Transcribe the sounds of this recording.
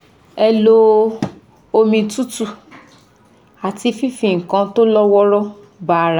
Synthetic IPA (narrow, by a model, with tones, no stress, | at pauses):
ɛ˧lo˦ | o˧mĩ˧tu˦tu˦˧ | a˨ti˧fi˦fĩ˨ŋ̩˨kã˧to˦lɔ˦wɔ˦ɾɔ˦ | ba˦˨ɾa˨